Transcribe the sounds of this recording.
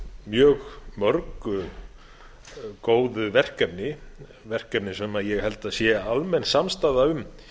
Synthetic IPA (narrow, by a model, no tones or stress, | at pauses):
mjœːɣmœɾkʏ | koːwðʏvɛr̥kɛpnɪ | vɛr̥kɛpnɪsɛmaðjɛɣhɛlt̪aðsjɛalmɛnsamst̪aːðaʏm